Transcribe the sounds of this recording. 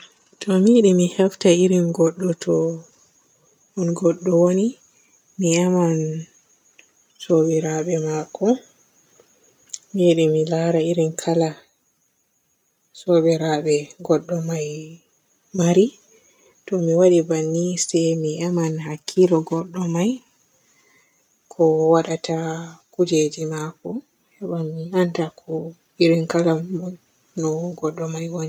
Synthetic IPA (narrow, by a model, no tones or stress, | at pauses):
tʰɔmiɗimihɛftaiɾinɡɔɗːɔtʰɔ | hunɡɔɗːɔwoni | miaman | soɓɛɾaɓɛmakʰːɔ | miɗimilaɾaiɾinkʰala | sɔɓɛɾaɓɛɡɔɗːɔmaj | maɾi | tɔmiwaɗibanːisɛjmiɛmanhakʰːilɔɡɔɗːɔmaj | kʰɔwaɗatakud͡ʒed͡ʒimakɔ | hɛɓamːiantakʰɔ | iɾinkala | nɔɡɔɗːɔmajwoni